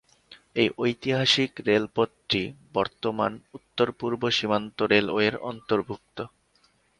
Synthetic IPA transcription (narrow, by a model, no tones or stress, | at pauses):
ejʔojt̪iɦaʃikɾelpot̪ːɾibɔɾt̪omanut̪ːoɾpuɾboʃimant̪oɾelo̰eɾɔ̰nt̪oɾbʱuk̚t̪o